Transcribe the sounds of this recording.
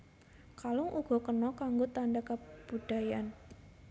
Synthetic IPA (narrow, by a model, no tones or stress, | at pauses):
kalɔŋʔuɡ̥ɔ̤kənɔkaŋɡot̪andakəb̥ud̥a̤jan